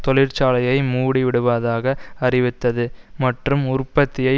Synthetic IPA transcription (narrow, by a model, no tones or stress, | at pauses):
t̪ɔlɪɾt͡ʃaːlɐjɐɪmuːɽiʋɪɽɯʋaːðaːɣɐɐrɪʋɪt̪ːɐðɯmɐʈrɯmʊrpːɐt̪ːɪjɐɪ